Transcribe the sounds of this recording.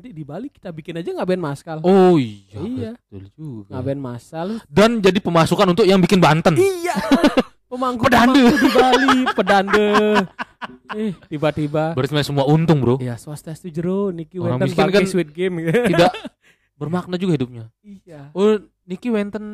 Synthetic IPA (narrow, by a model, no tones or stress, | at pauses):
d͡ʒadidibaliki̥t̪abikɪnad͡ʒaŋabaɛnmaskaloijaiat̪uld͡ʒuɡaŋabaɛnmasaldand͡ʒadipəmasukanunt̪̬ʊkjaŋbikɪnbant̪ənija | pəmaɡpədandədibalipədandə | ɛht̪ibat̪ibabəɾsmasəmuaunt̪ʊŋbəɾoijaswast̪ast̪ud͡ʒəɾonikiwɛɾaŋt̪iskɪnkaswit̪̚ɡɪmɡ̪idaʔ | bərmak̚nad͡ʒuɡahidup̚ɲa | ijao | nikiwɛnt̪ən